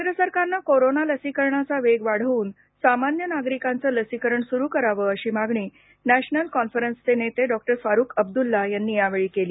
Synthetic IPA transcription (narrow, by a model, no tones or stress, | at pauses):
kenɾəsəɾkaɾnakoɾonaləsikəɾɳat͡saʋeɡʋaɽ̤əʋuːn | samanjənaɡɾikãnt͡səːləsikəɾəɳsuɾuːkəɾaʋəːəɕiːmaɡɳiː | næɕnəlkɔnfəɾənst͡senet̪eɖɔk̚ʈəɾfaɾuːkəb̚d̪ulːajanːiːjaʋeɭiːkeliː